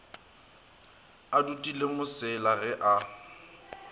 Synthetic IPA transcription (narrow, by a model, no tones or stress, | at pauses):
adutʼilemʊsɪlaɣɛʔa